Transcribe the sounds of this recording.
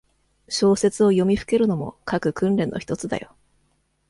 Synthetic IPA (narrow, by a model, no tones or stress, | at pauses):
ɕo̞ːse̞t͡sɨo̞jo̞mʲiɸɯ̥ke̞ɾɯ̟no̞mo̞̰kakɯ̟kɯ̟̃nɾẽ̞nːo̞̰çi̥t̪o̞t͡sɨd̪a̰jo̞̰